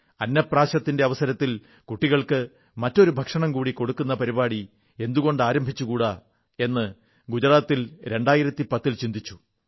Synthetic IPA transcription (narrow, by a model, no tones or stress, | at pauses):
ɐnːɐpraːɕɐt̪ːinde̞ɐʋɐsɐɾɐt̪ːil | kuʈːiɣɐɭkɨ | mɐtːo̞ɾubʱɐkʂɐɳɐmkuːɽiko̞ɽukːunːɐpɐɾibaːɽi | e̞nd̪uɣo̞ɳɖaːɾɐmbʱit͡ɕːukuːɽa | e̞nːɨ | ɡud͡ʑɐɾaːt̪ːilɾe̞ɳɖaːjiɾɐt̪ːipɐt̪ːilt͡ɕind̪ʱit͡ɕːu̥